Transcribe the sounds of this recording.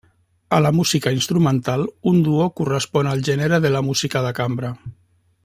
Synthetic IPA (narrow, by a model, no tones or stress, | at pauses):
əlamuzikainst̪ɾumənt̪alund̪uokurəspɔnalˠʒeneɾeðəlamuzikaðakambɾa